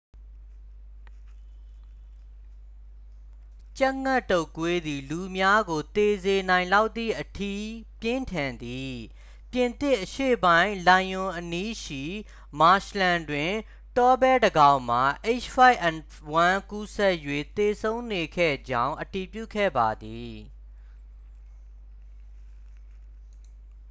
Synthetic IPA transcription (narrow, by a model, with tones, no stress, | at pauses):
t͡ɕa˦ʔŋa˦˨tːo˦˨kwe˦d̪i˨lu˨mja˦ɡo˨t̪e˨ze˨nã˨ɪ̃la˦ʊʔ̪t̪t̪ːḭ˦˨ʔətʰḭ˦˨pjɪ̃˦ntʰã˨nd̪i˨ | pjɪ̃˨nt̪ɪ˦ʔəʃḛ˦˨bã˦ɪ̃lã˨jʊ̃˨ʔəni˦ʃḭ˦˨ | ma˨ʃlã˨ndwɪ̃˨ | tɔ˦bɛ˦dəɡã˦˨ʊ̃m̥a˨ʔe˦t͡ʃpa˦ɪʔɛ̃˨n | wã˦ku˦sɛ˦ʔjwḛ˦˨t̪e˨sʰõ˦ʊ̃ne˨kʰɛ̰˦˨d͡ʑã˦ʊ̃ʔəti˨pjṵ˦˨kʰɛ̰˦˨ba˨d̪i˨